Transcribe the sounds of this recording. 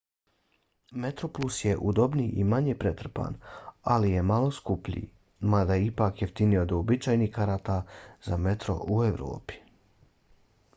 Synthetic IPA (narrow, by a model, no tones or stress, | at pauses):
me̞t̪ɾoplˠusje̞ʔud̪o̞bniːʔimaɲeːpɾet̪r̩pa̰ːnalije̞malo̞skupʎʲḭː | mad̪ajipaːkjeft̪iniod̪oobit͡ʃaːjnihkaɾat̪azame̞t̪ɾo̞̰ʔueʋɾo̰ːpi̥